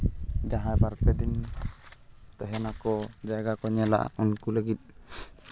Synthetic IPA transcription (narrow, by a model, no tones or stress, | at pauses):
d͡ʒaɦajbaɾpɛd̪in | t̪ɛɦɛnakɔd͡ʒaɡakɔɲɛla̰ʔa̰unkuləɡit̪̚